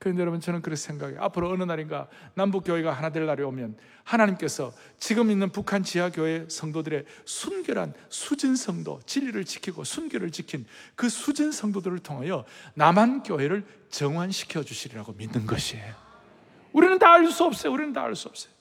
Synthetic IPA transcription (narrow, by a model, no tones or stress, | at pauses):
kɯɾenejʌɾʌbʌnt͡ɕʌnɯnkɯɾʌnsʰeŋɡaɡḛʔa̰pʰɯɾoːnɯnaɾinɡanambuk͈joɦe̞ɡaɦanade̞ɭːaɾiomjʌn | hanaɲimk͈e̞sʰʌ | t͡ɕiɡɯminːɯnpukʰant͡ɕiɦaɡjoe̞sʰʌŋdodɯɾe̞sʰunɡjʌɾɦa̰nsʰud͡ʑinsʰʌŋdo̰t͡ɕiʎːiɾɯɭt͡ɕi̥kʰiɡosʰunɡjʌɾɯɭt͡ɕikʰinkɯsʰud͡ʑinsʰʌŋdodɯɾɯɭtʰoŋɦajʌnamɦankjoɦe̞ɾɯɭ | t͡ɕʌŋanɕʰi̥kʰjʌd͡ʑuɕʰiɾiɾaɡominːɯnɡʌɕʰiejo | uɾinɯntaːɭs͈uʌp̚s͈ʌjouɾinɯnta̰ːɭs͈uʌp̚s͈ʌ̥jo